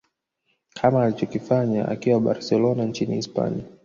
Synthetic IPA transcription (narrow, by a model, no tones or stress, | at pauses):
kʰamaːlit͡ʃɔkifaɲaa̰kiwaɓa̰ɾsɛlɔnant͡ʃinḭːspa̰nḭa